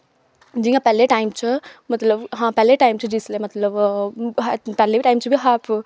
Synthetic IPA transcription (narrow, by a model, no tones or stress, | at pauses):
d͡ʒijãpɛleʈaimt͡ʃʰəmɐt̪ləbɦãpɛleʈaimt͡ʃʰəd͡ʒislemɐt̪ləbɦpɛlebiʈaimt͡ʃʰəbʱiɦap